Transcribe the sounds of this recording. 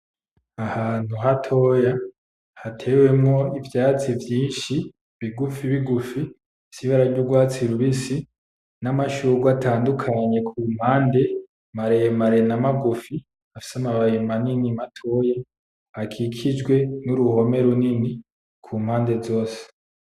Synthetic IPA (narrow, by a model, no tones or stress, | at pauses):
ahaːn̥huɦatʰo̞ja | hatʰe̞we̞mŋo̞ivjaːt͡sivjiːnʃi | βiɡufiβiɡufi | siβaɾaɾɟuɡwaːt͡siɾuβisi | namaʃuɡwatʰaːndukʰaɲe̞kʰuːm̥haːnde̞ | maɾejemaɾenamaɡufi | afi̥samaβajimaninimatʰo̞ja | akʰiːkʰid͡ʒɡwe̞nuɾuho̞me̞ɾunini | kʰuːm̥haːnde̞zo̞ːse̥